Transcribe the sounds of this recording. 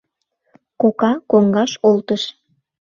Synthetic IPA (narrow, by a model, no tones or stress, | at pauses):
kokɑkoŋɡɑʃolt̪əʃ